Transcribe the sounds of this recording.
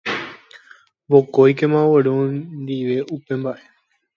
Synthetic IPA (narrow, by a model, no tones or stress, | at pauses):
bokojkẽmãʋəɾond̪iʋe̞ʔupẽ̞mbaʔe